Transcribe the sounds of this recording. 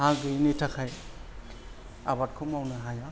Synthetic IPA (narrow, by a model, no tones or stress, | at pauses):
hãɡɯnitʰakʰaj | a̰bat̚kʰumawnɯɦaja